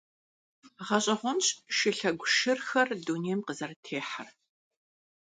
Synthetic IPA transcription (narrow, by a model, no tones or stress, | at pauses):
ʁɐɕʼɐʁʷɔnɕʃɪɬɐɡʷʃɪrxɐrduːneːjmqəzɐrtʰeːħar